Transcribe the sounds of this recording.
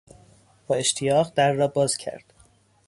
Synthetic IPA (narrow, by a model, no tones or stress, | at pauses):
b̥ɒːe̞ʃt̪ʰijɒːɣd̪æɾːɒːbɒːz̥cʰæ̰ɾd̪̥